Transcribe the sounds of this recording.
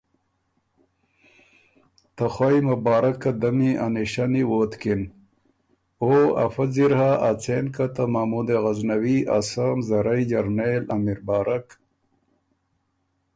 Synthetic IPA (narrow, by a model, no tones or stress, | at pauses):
t̪ɐxajmɐbaːɾɐkːad̪ɐmiʔaniɕaniwoːt̪kin | oa̰faziɾhaʔat͡senkat̪amamud̪eɣaznɐwia̰samzɐɾɐjd͡ʑaɾnelamiɾbaːɾʔak